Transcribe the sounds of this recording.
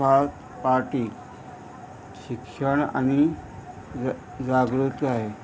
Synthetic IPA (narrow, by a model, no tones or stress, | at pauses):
at̪ | paɾʈiː | ɕikʂəɳa̰ñi | d͡zaɡɾut̪aɦe